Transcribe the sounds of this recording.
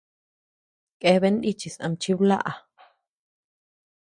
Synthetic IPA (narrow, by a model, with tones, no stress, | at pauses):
kʼe˧βe˦nʔ̪i˦t͡ʃi˨sʔã̰˧mt͡ʃi˦wla̰˦ʔa˨